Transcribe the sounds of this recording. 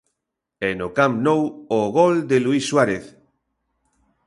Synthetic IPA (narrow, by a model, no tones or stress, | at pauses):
ɛnokamnowoɣɔld̪eluisːwaɾeθ